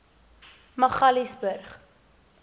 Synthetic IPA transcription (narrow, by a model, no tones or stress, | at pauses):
mɐχɐlisbərχ